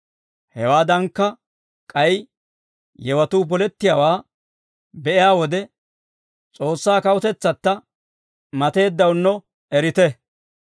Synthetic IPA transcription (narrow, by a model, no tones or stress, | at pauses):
hɛwaːd̪ɐŋkːɐ | kʼɐj | jɛwɐt̪uːbɔlɛt̪ːɪjaːwaː | bɛʔɪjaːwɔd̪ɛ | t͡sʼo̞ːsːaːkɐwʊt̪ɛt͡sːɐt̪ːɐ | mɐt̪e̞ːd̪ːɐwnːɔ | ɛɾɪt̪ɛ